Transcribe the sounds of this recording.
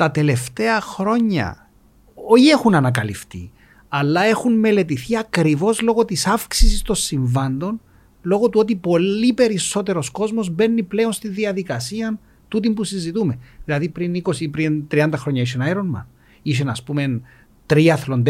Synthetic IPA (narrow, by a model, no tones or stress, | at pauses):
t̪ɐt̪e̞le̞ft̪e̞ɐxɾo̞ɲːɐ̰ | oie̞xunɐnɐkɐlḭft̪ḭ | ɐlːɐe̞xunme̞le̞t̪iθiɐkɾivo̞zlo̞ɣo̞t̪isɐfksisist̪o̞nsːiɱvɐnd̪o̞n | lo̞ɣo̞t̪uot̪ipo̞lipe̞ɾiso̞t̪e̞ɾo̞sko̞zmo̞zbe̞nːiple̞o̞nst̪inðiɐðikɐsiɐn | t̪ut̪impusizit̪ume̞ðilɐðipɾiniko̞sipɾint̪ɾiɐnd̪ɐxɾo̞ɲːɐiʃenɐeɾonmɐ̰n | iʃ̬enɐspume̞n | t̪ɾiɐθlond̪